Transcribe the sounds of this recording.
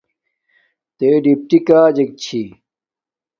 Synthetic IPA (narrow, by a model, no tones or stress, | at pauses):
t̪eɖip̚ʈikaːd͡ʑek̚t͡ɕʰi